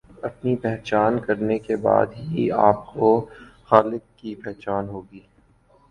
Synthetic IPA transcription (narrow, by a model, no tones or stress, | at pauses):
ɐpnipɛɦt͡ʃaːnkɐɾnekeba̰ːd̪ɦia̰ːp̚koxaːlɪkːipɛɦt͡ʃaːnɦoːɡiː